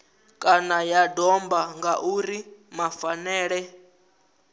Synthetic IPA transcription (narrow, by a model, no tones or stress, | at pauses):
kʼanajadɔmbaŋɡaʔuɾimafanɛːɺɛ